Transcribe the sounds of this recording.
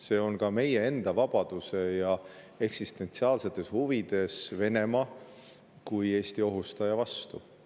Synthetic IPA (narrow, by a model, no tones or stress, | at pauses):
se̞ːo̞nkɑme̞je̞e̞nd̪̥ɑvɑb̥ɑd̪̥use̞jɑ | e̞ksist̪e̞nt̪siɑːlse̞t̪ːˑe̞shuvid̪̥e̞sve̞ne̞mɑ | kuje̞ːst̪io̞ɦust̪ɑjɑvɑst̪u